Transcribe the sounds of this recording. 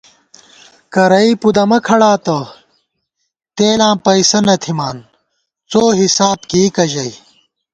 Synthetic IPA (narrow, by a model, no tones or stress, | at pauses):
kɐɾɐipud̪ɐmɐkʰɐɽaːt̪ɐ | t̪eːlãːmpɐisɐnɐt̪ʰimaːn | t͡soːɦisaːb̚kikɐʑɐj